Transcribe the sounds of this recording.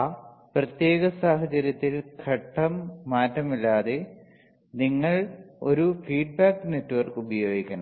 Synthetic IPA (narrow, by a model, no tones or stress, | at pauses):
aːprɐt̪je̞ːɣɐsaːɦɐt͡ɕɐɾjɐt̪ːilkʰɐʈːɐmːaːtːɐmilːaːðe | niŋːɐɭo̞ɾufiːɖ̚baːkːɨne̞tːuʋɐrkubɐjo̞ːɡikʲːɐɳɐ